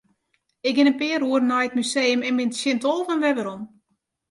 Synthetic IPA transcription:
ɪk̚ɡɪnənpɪːəruərənajət̚myseːəmɛnbɪntsjɪntolˠvɔnʋɛʋəɾom

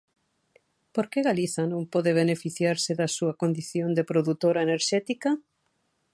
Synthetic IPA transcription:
poɾkeɣaliθɐnõmpɔðeβ̞enefiθjaɾsɪðɐsuɐkond̪iθjond̪epɾoðut̪oɾaeneɾʃɛt̪ikɐ

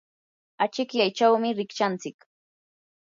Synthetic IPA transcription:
at͡ʃɪkjajt͡ʃawmɪɾɪkt͡ʃant͡sɪk

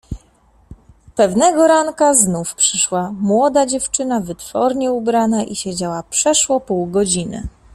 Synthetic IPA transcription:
pɛvnɛɡɔɾaŋkaznufpʂɘʂwamwɔd̪ad͡ʑɛft͡ʂɘnavɘt̪fɔɾɲɛubɾanaʔiɕed͡ʑawapʂɛʂwɔpuwɡɔd͡ʑinɘ̰

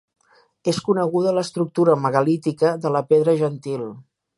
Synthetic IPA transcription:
eskunəɣuðələst̪ɾuk̚t̪uɾəməɣəlit̪ikəðələpeðɾəʒənt̪il

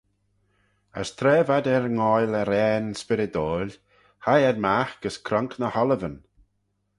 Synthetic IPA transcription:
ə̰st̪ʰɾɛːvad̪ɛɾŋɔjlɛɾɛːnspɪɾɪd̪oːlʲ | hajɛdmaxɡ̥əskʰɾɔŋknəhɔləvən

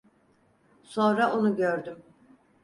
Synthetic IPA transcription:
so̞nɾaonuɟøɾd̪ym

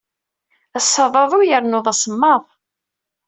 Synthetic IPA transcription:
æsːɑðˤɑðˤʊjəɾnʊðˤæsəmːɑðˤ

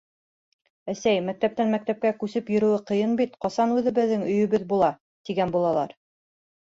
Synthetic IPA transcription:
æsæjmæk̚t̪æp̚t̪ænmæk̚t̪æp̚kækʉsɘpjɵ̆ɾɵ̆wɘqɤ̆jɤnbit̪qɑsɑnʉðɘ̆βɘ̆ðːɘŋɵ̆jɵ̆βɘðbulˠɑ | t̪iɡænbulˠɑlˠɑɾ

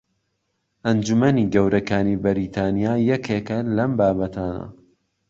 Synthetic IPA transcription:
ʔɐnd͡ʒumɐniɡɐwɾɐkaːnibɐɾiːt̪ʰaːnijaːjɐkʰekɐlɐmbaːbɐt̪ʰaːnɐ̰

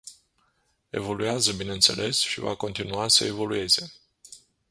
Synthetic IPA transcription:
e̞̰vo̞luazəbineɨnt̪se̞̰lʔe̞sʃiva̰ko̞nt̪inuasə̰e̞vo̞lue̞ze̞

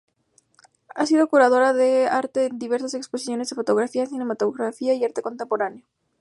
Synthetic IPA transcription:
asiðo̞kuɾað̞o̞ɾaðeaɾt̪eːnd̪iβ̞e̞ɾsaseksposiθjo̞nezðefo̞t̪o̞ɣɾafiaθine̞mat̪oɣɾafiaiaɾt̪e̞ko̞nt̪empo̞ɾaneo

